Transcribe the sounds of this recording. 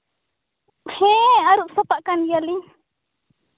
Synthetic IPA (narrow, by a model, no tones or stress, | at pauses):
hẽaɾuʔsopaʔkanjali